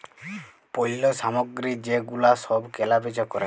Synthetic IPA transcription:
poɦilɔsamɔɡɾid͡ʒeɡulasɔbkɛlabed͡ʒɔkɔɾe

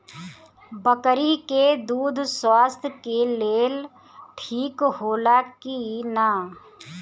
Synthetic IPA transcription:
bəkɾiked̪uːd̪ʱswaːst̪ʰjkeleːl | ʈʰiːkhoːlaːkinaː

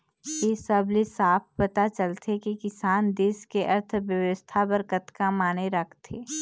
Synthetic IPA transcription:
jeːsəblisaːpʰpɐt̪at͡ʃəlt̪ʰekikɪsaːnd̪eːskeʔɐɾt̪ʰʋjəʋəst̪ʰabəɾkət̪kamaːneɾəkʰt̪eː

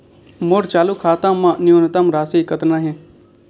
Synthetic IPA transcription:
moɾt͡ʃaːlukʰaːt̪ãːmãːnɪont̪əmɾaːsiːkət̪nãːɦẽ

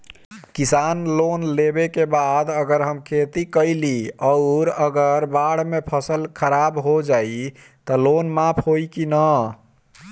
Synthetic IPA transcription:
kisanlonlebekebad̪əɡəɾɦəmkʰet̪ikəɪliɔʊɾəɡəɾbaɽ̤mepʰəsəlkʰəɾabɦod͡ʒai | t̪əlonmapʰɦoikinə

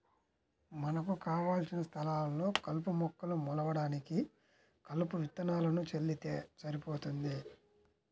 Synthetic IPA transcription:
mɐnɐkukaːʋaːlsinɐst̪ʰɐlaːllo̞ːkɐlp̬umɔkːɐlumɔlɐʋɐɽaːniki | kɐlupuʋit̪ːɐnaːlɐnut͡ʃelːit̪eːsɐɾipoːt̪und̪i

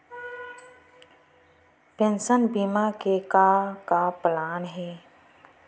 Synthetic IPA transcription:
pẽnsənbiːmakekaːkaplaːnɦɛː

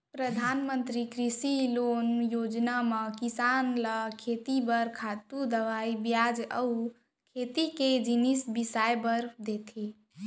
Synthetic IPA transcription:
pɾəd̪ʱanmə̃nt̪ɾikɾisilonjoːd͡ʒnaməkisanləkʰet̪ibəɾkʰat̪ud̪əʋaibjad͡ʒəu | kʰet̪iked͡ʒinisbisajbəɾd̪et̪ʰe

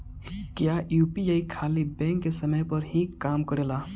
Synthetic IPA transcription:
kjajupiaikʰaːlibɛ̃ŋkːesəməjpəɾɦikaːmkəɽela

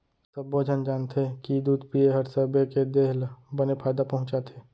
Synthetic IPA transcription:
səboːd͡ʒʱənd͡ʒaːnt̪ʰekid̪uːd̪pieɦəɾsəbeked̪eɦlbənepʰaːd̪apəɦʊ̃t͡ʃat̪ʰeː

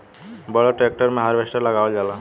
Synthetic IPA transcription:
bɔɭɔʈɾek̚ʈəɾmẽɦaɾbesʈəɾlaɡaed͡ʒala

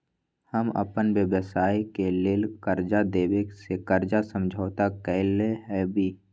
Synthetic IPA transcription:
həmə̰pənwjəʋəsaːikeleːlkəɾd͡ʒad̪eːʋeksekəɾd͡ʒasə̃md͡ʒʱaːt̪akɛleɦɛbʱiː

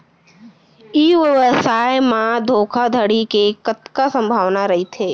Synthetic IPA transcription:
iːʋəʋəsaːjmãd̪ʱoːkʰad̪ʱəɽikekət̪kasə̃mbʱaːʋnaɾɐɦit̪ʰeː

